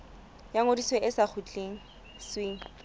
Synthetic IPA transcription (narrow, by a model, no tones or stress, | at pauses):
jaŋodiswɛʔɪsak͡xʰut͡ɬʼeŋ̩ | sweːŋ̩